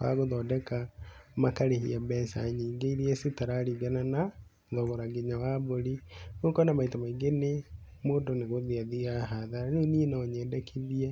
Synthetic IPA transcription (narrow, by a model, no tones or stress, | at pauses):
ka̰ɣoðɔdɛkamakaɾehiabɛsa̰ɲiːɡeiɾiɛsetaɾaɾiɡanana | ðɔɣɔɾaɡeɲawaβoɾinokanamaitamaiɡene | moːndoneɣoðiaðiaɦaðaɾaneninaɔɲɛːdɛkʰiðiɛ